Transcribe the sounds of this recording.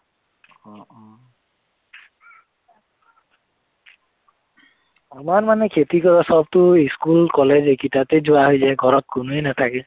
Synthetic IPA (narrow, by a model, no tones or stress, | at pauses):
ɔ | amaɹmanɛkʰetikɔtasɔb̚tʊiskulkɔlɛzekitatezʊaɦojzajɡʱɔɹɔt̚kʊnuenatʰakɛ